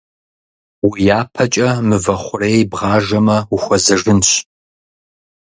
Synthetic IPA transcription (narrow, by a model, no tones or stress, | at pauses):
wijaːpʰɐt͡ʃʼɐmɨvɐχʷʊreːjbʁɑːʒɐmɐwʊxʷɔzɐʐɨnɕ